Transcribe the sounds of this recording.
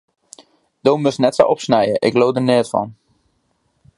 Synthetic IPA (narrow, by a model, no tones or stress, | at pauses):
d̥oːmøsnɛtso̰ʔɔpsnɛjəʔɪkloːdənɪətfɑ̰n